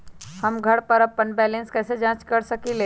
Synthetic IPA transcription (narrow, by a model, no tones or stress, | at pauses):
hɐmɡʱɐɽpəɾɐpːənbɛːlə̃nskɛːsed͡ʒãːt͡ʃkɐɾsɐkileː